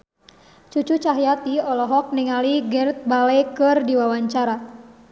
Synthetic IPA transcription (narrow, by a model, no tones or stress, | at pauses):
t͡ʃut͡ʃut͡ʃaɦjat̪iɔlɔɦɔk̚niŋaliɡɛrt̪̚balekɨrdiwawaɲt͡ʃaɾa